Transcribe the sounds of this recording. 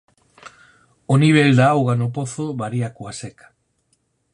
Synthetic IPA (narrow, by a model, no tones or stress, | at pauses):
oniβ̞eld̪aawɣanopoθoβaɾiakoasekḁ